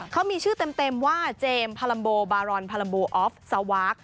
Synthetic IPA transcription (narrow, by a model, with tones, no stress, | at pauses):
kʰːa˦˥wmiː˧t͡ɕʰɯː˥˩t̪e˧mt̪e˧mwaː˥˩t͡ɕeː˧mpʰaː˧la˧mboː˧baː˧ɾɔː˧npʰaː˧la˧mboː˧ʔɔː˦˥f̚sa˧waː˦˥k̚